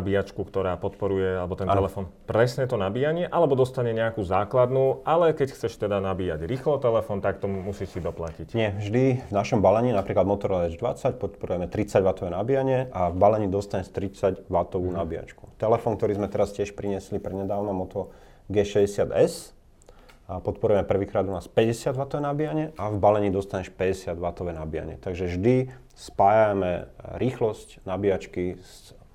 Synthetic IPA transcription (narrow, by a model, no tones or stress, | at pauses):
abiat͡ʃkukt̪ɔɾaːpɔt̪pɔɾujɛalɛbɔt̪ɛnɛlɛfɔːnpɾɛsɲɛt̪ɔnabiːjaɲɪɛʔalɛbɔd̪ɔst̪aɲɛɲɛakuzaːklad̪nuːʔalɛkɛcxt͡sɛʃt̪ɛd̪anabiːaɟɾiːxlɔt̪ɛlɛfɔnt̪akt̪ɔmusiːsid̪ɔplacicɲɪɛʒd̪ivnaʃɔmbalɛɲiːnapɾiːklad̪mɔt̪ɔɾɔɛd͡ʒd̪ʋa̰t͡sac̚pɔt̪pɔɾujɛmɛt̪ɾit͡saɟʋat̪ɔʋɛːnabijaɲɪɛʔavbalɛɲiːd̪ɔst̪aɲɛst̪ɾit͡saɟʋat̪ɔʋuːnabia̰t͡ʃku̥t̪ɛlɛfɔːŋk̚t̪ɔɾiːzmɛt̪ɛɾascɪɛʃpɾiɲɪɛslipɾɛɲɛd̪aːʊnamɔt̪ɔ | ɡɛːʃɛzɟɛsɪad̪ɛs | apɔt̪̚pɔɾujɛmɛpr̩ʋiːkɾad̪ɔnaːspɛɟɛsɪad̪ʋat̪ɔʋɛːnabijaɲɪɛʔavbalɛɲiːd̪ɔst̪aɲɛʃpɛɟɛsɪad̪ʋat̪ɔʋɛːnabija̰ɲɪɛ̰t̪aɡʒɛʒd̪i | spaːjamɛɾiːxlɔscnabiat͡ʃkis